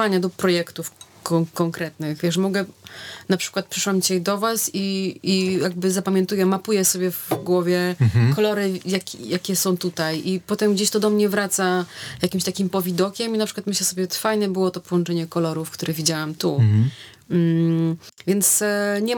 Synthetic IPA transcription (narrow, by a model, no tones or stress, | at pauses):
aɲad̪ɔpɾɔjɛkt̪ufkɔkɔŋkɾɛt̪nɘxvʲjɛʂmɔɡɛnapʂɘ̥kwat̪̚pʂɘ̥ʂwamt͡ɕed̪ɔvasiijaɡ̚bɘzapamʲɛ̃nt̪ujɛmapujɛsɔbʲjɛvɡwɔvʲjɛkɔlɔɾɘjakʲjakʲɛsɔ̃w̃t̪ut̪ajipɔt̪ɛmɡd͡ʑeɕt̪ɔd̪ɔmɲɛvɾat̪sajakʲimɕt̪akʲimpɔvʲid̪ɔkʲɛminapʂɘkwat̪mɘɕlɛsɔbʲjɛt̪fajnɛbɘwɔt̪ɔpɔwɔnt͡ʂɛɲɛkɔlɔɾufkt̪uɾɛɣvʲid͡ʑawamt̪u | vʲjɛnt̪sɲɛ